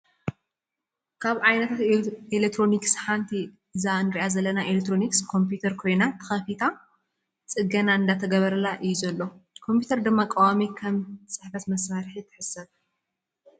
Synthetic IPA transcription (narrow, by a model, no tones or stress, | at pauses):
kʰaβʕajnɐt̪ʰat̪elekt̪ʰːɾo̞niksħant̪ʰi | ɨzaɨnɨɾiʔazɐlɐnaʔelekt̪ːɾo̞nikskʰo̞mpjut̪ʰɐɾkʰo̞jnat̪ʰɨ̥xɐfit̪ʰa | t͡sʼɨɡɐnaɨnd̪at̪ʰɐɡɐβɐɾɐlaʔɨjːuzɐlːo̞kʰo̞mpjut̪ʰɐɾd̪ɨmːakʼawamikʰɐmt͡sʼɨħfɐt̪mɐsaɾħit̪ʰɨ̥ħɨsɐβ